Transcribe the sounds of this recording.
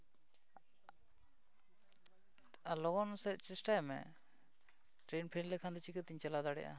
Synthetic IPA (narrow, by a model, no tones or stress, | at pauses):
alɔɡɔnsɛt͡ʃisʈajmɛ̰ | ʈɾenpʰɛnlɛkʰand̪ɔt͡ʃikət̪iɲt͡ʃalad̪aɽɛ̰ʔa̰